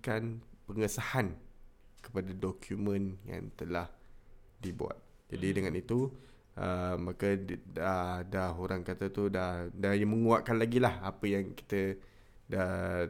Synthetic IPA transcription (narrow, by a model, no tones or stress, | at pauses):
kanpəŋəsahankə̥padadɔkʰjumə̃nja̰ŋt̪əlah | dibṵa̰t̪̚ | d͡ʒadidəŋanit̪u | ʔəmakəadahoɾaŋkat̪ət̪udahdajaməŋuaʔkanlaɡilahapəjaŋki̥t̪ə | da